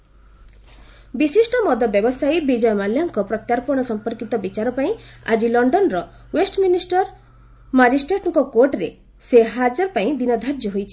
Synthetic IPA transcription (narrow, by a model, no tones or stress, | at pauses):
bisisʈɔmɔd̪ʱɔbjɔbɔsajbid͡ʒɔjɔmaljaŋkɔpɾɔt̪jaɾpɔɽ̃ɔsɔmpɔɾkit̪ɔbit͡ʃaɾɔpaĩa̰d͡ʒilɔɳɖɔnɾɔ | wesʈminisʈɔɾ | mad͡ʒisʈɾeʈɔŋkɔkoɾʈɾe | seɦad͡ʒɔɾɔpaĩd̪inɔd̪ʱaɾd͡ʒɔɦojt͡ʃʰi̥